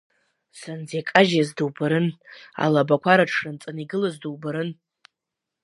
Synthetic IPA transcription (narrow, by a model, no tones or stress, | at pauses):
sand͡zekʼaʒazdɨwbaɾɨna̰labakʷʰaɾaʈ͡ʂʰrɨnt͡sʼaniɡɨlazduwbaɾɨn